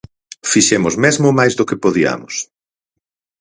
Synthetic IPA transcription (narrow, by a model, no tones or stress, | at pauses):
fiʃemʊzmezmʊmajzðokɪpoðiɐ̰mʊs